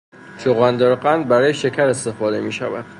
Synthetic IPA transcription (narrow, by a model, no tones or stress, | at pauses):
soɣænd̪eɾqænd̪̚bæɾɒːjeʃe̞cʰæɾe̞st̪e̞fɒːd̪e̞miːʃæ̰væ̰d̪̥